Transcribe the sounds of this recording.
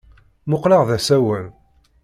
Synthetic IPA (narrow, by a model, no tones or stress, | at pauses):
mʊqləʁðæsæwən